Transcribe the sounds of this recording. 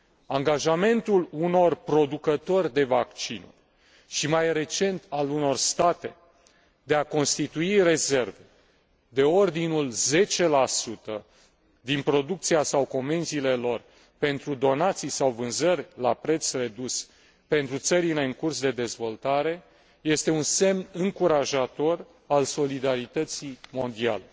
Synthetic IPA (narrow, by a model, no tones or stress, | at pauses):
aŋɡaʒame̞nt̪uluno̞rpɾo̞d̪ukət̪o̞rʲd̪e̞vakt͡ʃinu | ʃimajre̞t͡ʃe̞nt̪ʰaluno̞rst̪at̪e̞ | d̪e̞ako̞nst̪it̪uire̞ze̞rve̞ | d̪e̞o̞rd̪inulze̞t͡ʃe̞lasut̪ə | d̪inpɾo̞d̪uk̚t̪siasawko̞me̞nziːle̞lo̞r | pe̞nt̪ɾud̪o̞nat̪sijsawvɨnzərʲlapɾe̞t̪sre̞d̪us | pe̞nt̪ɾut̪səɾile̞ɨŋkursd̪e̞d̪e̞zvo̞lt̪aɾe̞ | je̞st̪e̞unse̞mnɨŋkuɾaʒat̪o̞r | also̞lid̪aɾit̪ət̪simo̞nd̪ia̰le